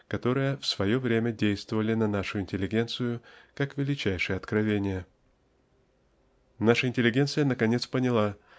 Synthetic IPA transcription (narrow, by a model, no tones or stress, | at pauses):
kɐt̪o̞ɾɨjəfsvɐjo̞vɾʲemʲədʲejst̪vəvəlʲɪnɐnaʂʊɪnʲtʲɪlʲɪɡʲe̞nt̪sɨjʊkakvʲɪlʲɪt͡ɕæjʂɨjəɐt̪kɾɐvʲenʲɪjə | naʂəɪnʲtʲɪlʲɪɡʲet̪sɨjənəkɐnʲe̞t̪spənʲɪlˠa